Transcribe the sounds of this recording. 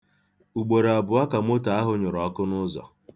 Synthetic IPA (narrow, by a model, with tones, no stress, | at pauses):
u˨ɡ͡bo˨ɾe˨a˨bʊ˨a˦ka˨m˦o˦ta˨a˦ɦʊ˦ɲʊ˨ɾɔ˨˦kʊ˦nʊ˦zɔ̰˨